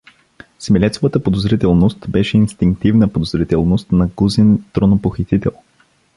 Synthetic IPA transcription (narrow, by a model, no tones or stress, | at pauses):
smɛlɛt̪sovət̪əpod̪ozɾit̪ɛlˠnost̪bɛʃɛinst̪iŋk̚t̪ivnəpod̪ozɾit̪ɛlˠnost̪nɐɡuzɛnt̪ɾonopoxit̪it̪ɛ̰lˠ